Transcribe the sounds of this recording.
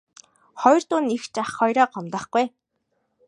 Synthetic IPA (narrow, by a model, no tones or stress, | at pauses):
χɔjrt̪ʊːnixt͡ɕaχːɔjɾɔːɢɔmt̪ə̆χɡuj